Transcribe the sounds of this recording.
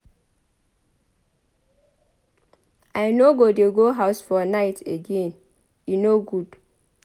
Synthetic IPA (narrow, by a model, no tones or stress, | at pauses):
aɪnoɡodeɡoɦaʊsfɔnaɪtʰeɡẽn | inoɡud̥